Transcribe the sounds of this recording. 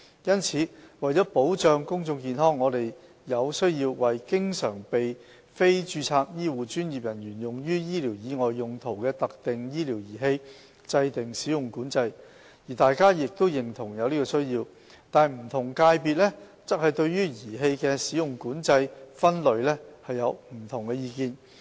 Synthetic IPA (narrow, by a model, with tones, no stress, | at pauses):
jɐ˥nt͡sʰiː˨˥wɐ˨jt͡sɔː˨˥po˨˥wt͡ʃœː˧ŋkʊ˥ŋt͡sʊ˧ŋkiː˨˧nɦɔː˥ŋːɔː˨˧t̪e˨j | jɐ˨˧wsɵ˥ɥjiː˧wwɐ˨˩jkɪ˥ŋsœ̰ː˨˩ŋpe˨j | fe˥jt͡ʃyː˧t͡sʰaː˧k̚jiː˥wuː˨t͡ʃyː˥nji˨p̚jɐ˨˩njyː˨˩njʊ˨˩ŋjyː˥jiː˥liː˨˩wjiː˨˧ŋɔː˨jːʊ˨ŋt̪ʰo˨˩wkɛː˧t̪ɐ˨k̚t̪ɪ˨ŋjiː˥liː˨˩wjiː˨˩ɦe˧j | t͡sɐ˧jt̪ɪ˨ŋsiː˨˥jʊ˨˩ŋkuː˨˥nt͡sɐ˧j | jiː˨˩t̪aː˨˧jkaː˥jɪ˨k̚t̪o˥wjɪ˨ŋt̪ʰʊ˨˩ŋjɐ˨˧wliː˥kɔ˧sɵ˥ɥjiː˧w | t̪aː˨m̩˨˩t̪ʰʊ˨˩ŋkaː˧jpiː˨t̚lɛ˥ | t͡sɐ˥k̚hɐ˨jt̪ɵ˧ɥjyː˥jiː˨˩ɦe˧jkɛː˧siː˨˥jʊ˨˩ŋkuː˨˥nt͡sɐ˧jfɐ˥nlɵ˨˧ɥlɛː˥hɐ˨jːɐ˨˧wm̩˨˩t̪ʰʊ˨˩ŋkɛ˧jiː˧kiː˧n